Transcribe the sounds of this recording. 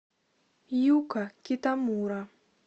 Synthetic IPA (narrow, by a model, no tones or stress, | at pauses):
jukakitamuɾa